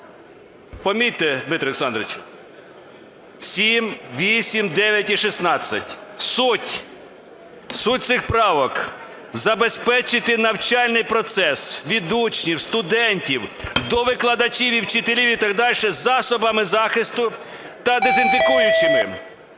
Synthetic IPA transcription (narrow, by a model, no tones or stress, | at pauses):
pɔmʲit̪ɛd̪mɪt̪ɾɔeksɑnd̪ɾeɪt͡ʃʊ̥ | sʲimʋʲisʲimd̪ɛʋʲjɐtʲiʃisnɑt͡sʲːɐtʲsutʲ | sut̚ʲt̪sɪxpɾɑʋɔk | zɐbespɛt͡ʃɪt̪ɪnɐwt͡ʃɑlʲnɪjpɾɔt̪sɛsʋʲid̪ut͡ʃnʲiwst̪ʊd̪ɛnʲtʲiwd̪ɔʋɪklˠɐd̪ɐt͡ʃʲiʋʲiwt͡ʃɪt̪elʲiwʲit̪ɑɡd̪ɑlʲʃɛzɑsɔbɐmɪzɑxɪst̪ʊ | t̪ɐd̪ezɪnd̪ɪkujʊt͡ʃɪmɪ